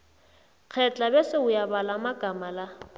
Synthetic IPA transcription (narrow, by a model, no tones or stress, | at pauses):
k͡xʰɛt͡ɬʼabɛsɪʊjabalamaɡ̥ʱamala